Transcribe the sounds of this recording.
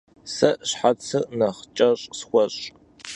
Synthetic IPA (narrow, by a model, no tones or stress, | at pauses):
sɐʔɕħat͡sʰɨnɐχt͡ʃʼɐɕʼsxʷɔɕʼ